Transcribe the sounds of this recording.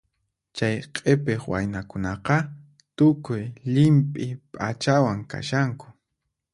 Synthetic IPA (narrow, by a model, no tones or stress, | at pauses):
t͡ʃajqʼepeχwa̰jnakʊnɑqɑ | t̪ʊkʊjʎɪmpʼɪpʼat͡ʃawaŋka̰ʃaŋkʊ̥